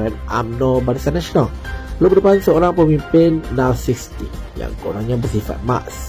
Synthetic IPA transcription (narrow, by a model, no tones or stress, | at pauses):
ɾanʔa̰mnɔ̃baɾit̪anasʃonalpəlubədəpansəoɾaŋpəmĩmpɪnːãwsikst̪ija̰ŋkonaɲãbərsifa̰t̪̚ma̰ʔs